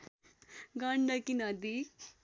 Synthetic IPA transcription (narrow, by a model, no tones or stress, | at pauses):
ɡaɳɖakinad̪i